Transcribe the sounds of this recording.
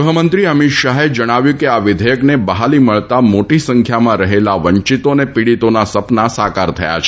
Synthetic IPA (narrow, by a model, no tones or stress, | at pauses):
ɦəmənt̪ɾiəmit̪ʃaɦed͡ʒəɽ̃aʋjũkeaʋɪd̪ʱəjəknebəɦaliməɭt̪amoʈisəŋkʰjamãɾəɦelaʋəɲt͡ʃit̪onepiɽit̪onasəpnasakaɾt̪ʰəja̰t͡ʃʰ